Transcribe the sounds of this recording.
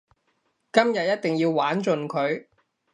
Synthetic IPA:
kɐ˥mjɐ˨t̚jɐ˥t̚t̪ɪ˨ŋjiː˧wwaː˨˥nt͡ʃɵ˨nkʰɵ˨˧ɥ

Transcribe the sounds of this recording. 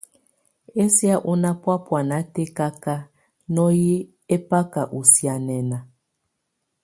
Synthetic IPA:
e˦sja˦ʔu˦na˦pwa˦pwa˨na˨˦te˦ka˦ka˦ | nɔ˦ji˦ | e˦pa˦ka˨ʔu˨sja˨nɛ˨na˨

